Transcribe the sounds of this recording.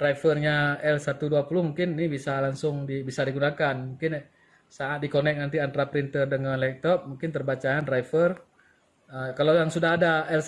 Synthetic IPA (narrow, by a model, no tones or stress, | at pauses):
d̥raifərɲaɛlsat̪uduapulʊhmuŋkɪnnibisalaŋsʊŋdibisadiɡunakanmuŋkɪn | saat̪̚dikonɛk̚nant̪iant̪ɾapɾint̪ərdəŋənlɛk̚t̪ɔp̚muŋkɪnt̪ərbat͡ʃaandraifər | əkalawjaŋsudaɦadaɛl